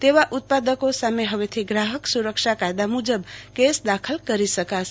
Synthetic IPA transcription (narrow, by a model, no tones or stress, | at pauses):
t̪eβaʔut̪̚pad̪əkosameɦəβet̪ʰiɡɾaɦəksuɾəkt͡ʃʰakajd̪amud͡ʒəbkesd̪akʰəlkəɾisəkasʰ